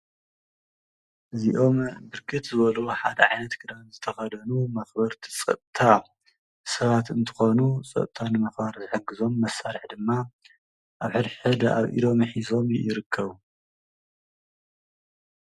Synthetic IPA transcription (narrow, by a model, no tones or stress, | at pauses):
ʔɨziʔo̞mbɨɾkʰɨt̪zɨβɐluħad̪ɐʕajnɐt̪kʰɨd̪anzɨt̪ʰɐxɐd̪ɐnumɐxbɐɾt̪ʰi̥t͡sʼɐ̰t̪ʼt̪ʰa | sɐβat̪ɨnt̪ʰɨ̥xo̞nut͡sʼɐ̰t̪ʼt̪ʰanɨmɐxbaɾzɨħɨɡːɨzo̞mːɐsːaɾɨħd̪ɨmːa | ʔaβħɨɾħɨd̪a̰βʔḭlo̞mħizo̞mjɪɾɨkʰːɐβu